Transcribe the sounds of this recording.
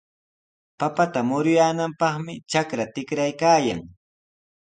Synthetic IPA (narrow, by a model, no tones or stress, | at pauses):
papat̪amʊɾʊjaːnampɑχmɪt͡ʃakɾat̪ɪkɾajkaːja̰ŋ